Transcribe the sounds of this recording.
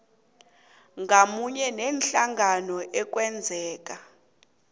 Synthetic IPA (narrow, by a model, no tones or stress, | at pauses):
ŋɡʱamuɲɛnɛnɬaŋʱanɔʔɛk̬ʼwɛnd͡zʱɛːk̬ʼa